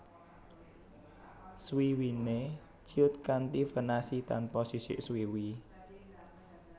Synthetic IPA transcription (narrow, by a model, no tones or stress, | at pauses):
swiwine̥ | d͡ʒ̥iʊt̪̚kant̪ifənasit̪anpɔsisɪ̰ʔswiwi